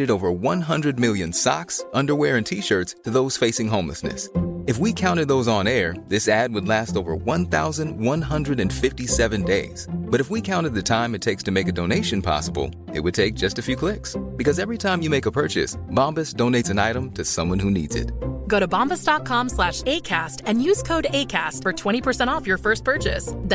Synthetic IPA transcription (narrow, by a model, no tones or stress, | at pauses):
ɾɨɾoʊvə˞wʌ̃nɦʌ̃ndɹɨd̚mɪlˠjɨ̃nsɑ̰ksʔʌ̃ndə˞wɛɹɨ̃ntʰiʃɜ˞tstʰɨðoʊz̥feɪsɪ̃ŋɦõʊ̃mlə̰snɨ̰sɨfwikʰãʊ̃ɾ̃ɨd̪̚ðoʊzn̩ɛɹðɪsæd̚wədˡlæstoʊvə̰˞wʌ̃nθa̰ʊzɨ̃ndwʌ̃nɦʌ̃ndɹɨɾɨ̃nfɪftisɛvɨ̃ndeɪz̥b̥ʌɾɨfwikʰãʊ̃ɾ̃ɨd̪̚ðɨtʰãɪ̃mɨtʰeɪkstʰɨmeɪkɨdõʊneɪʃɨ̃npʰɑ̰səbl̩ˠ | ɨ̰t̚wɨd̚tʰeɪk̚d̥ʒ̥ʌstɨfjʉkʰl̥ɪksb̥ɨkʌzɛvɹitʰãɪ̃mjɨmeɪkəpʰɜ˞t͡ʃɨ̰sb̥ɑ̃mbɨsd̥õʊ̃neɪtsɨ̃naɪɾə̃mtʰɨsʌ̃mwʌ̃nhʉnḭdz̥ɨ̰t̚ɡ̥oʊɾɨbɑ̃mbəsd̥ɑt̚kʰɑ̃mslæʃeɪkʰæstɨ̃njʉz̥kʰoʊɾeɪkʰæstfə˞tʰw̥ɛ̃ɾ̃ipʰə˞sɛ̃ɾ̃ɔfjə˞fɜ˞s̚pʰɜ˞t͡ʃɪ̰s